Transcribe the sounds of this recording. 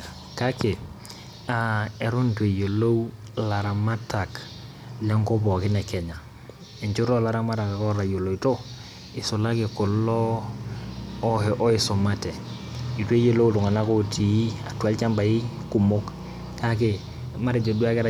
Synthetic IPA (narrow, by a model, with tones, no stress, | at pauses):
ka˦ke˨ | a˨e˨ɾu˦ntwe˨jo˨lo˦w | la˨ɾa˨ma˦ta˨k | la˦ŋko˦bɔ˨kɪ˦nɛ˨kɛ˨ɲa˨ | e˨ɲt͡ʃu˦ɾɔ˦la˨ɾa˦ma˦ta˨ka˨kɔ˦ɾa˨jo˨lo˨i˨to˦ | ɪ˨sʊ˨la˦kɪ˨ko˨lɔ˦ | hɛ˨ʔɔ˦i˨so˨ma˦tɛ˨ | i˨twe˦jo˦lo˦u˦lu˨ŋa˨na˦ko˦ti˨i˦a˨twa˦lt͡ʃa˦mba˨i˦ku˨mo˦k | ka˦k̬e˨ | ma˦ɾe˨d͡ʒo˨du˦a˦kɛ˦ɾa˨